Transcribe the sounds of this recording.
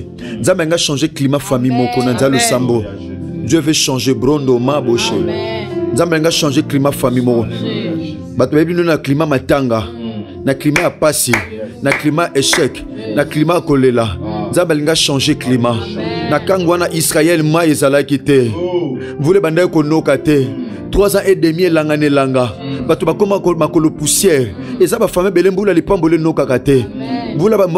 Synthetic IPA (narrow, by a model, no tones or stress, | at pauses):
nzambelĩŋɡaʃɑ̃ʒeklimafamimɔkɔnanzalosambo | djøveʃɑ̃ʒebʁɔndomaboʃḛnzambeliŋɡaʃɑ̃ʒeklimafamimɔkɔ | batobeionaklimamataŋɡa | naklimajapasinaklimaʔeʃɛk | naklimakolelanzambaliŋɡaʃɑ̃ʒeklimanakaŋɡowanaʔisʁajɛlmwaezalakitɛ | mvulebandaikonokatɛ | tʁwazãʔedemielaŋɡanelaŋɡabatobakomakolopusjɛʁ | ezabafamebelembulalipambolenokakatɛmbula